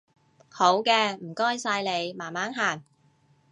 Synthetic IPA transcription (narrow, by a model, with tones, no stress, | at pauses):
ho˨˥wkɛː˧m̩˨˩kɔː˥jsaː˧jle˨˧jmaː˨˩nmaː˨˥nɦaː˨˩ŋ